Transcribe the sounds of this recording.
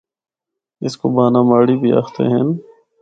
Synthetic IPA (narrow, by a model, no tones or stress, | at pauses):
ɪskobaːnaːmaːɽibʱia̰ːxt̪ḛɦɛ̃n